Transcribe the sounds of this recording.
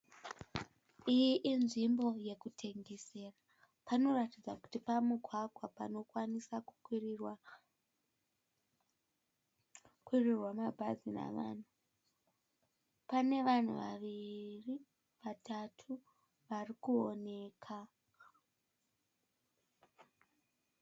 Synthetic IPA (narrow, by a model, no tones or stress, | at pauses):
ijiʔinʐimbo̞je̞kutʰe̞ŋɡe̞se̞ːra | pano̞ratid͡zaku̥tipamuɡʱwaɡʱwapa̰no̞kwanisakuw | kwirirwamabʱazina̰ʋa̰ːn̤u | pane̞ʋan̤ṵʋa̰ʋiri | ʋatatʰu | ʋarikuone̞ːkʰa